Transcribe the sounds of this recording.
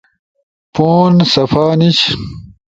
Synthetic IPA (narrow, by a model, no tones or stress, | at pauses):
poːnsɐfaːnit͡ɕ